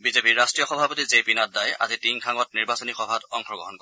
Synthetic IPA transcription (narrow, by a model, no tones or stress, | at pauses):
bizepiɹɹastɹijɔxɔbʱapotizepinadaja̰zitiŋkʰaŋɔt̚niɹbasɔnixɔbʱatɔŋkʰɔɡɔ̰ɦɔnkɔ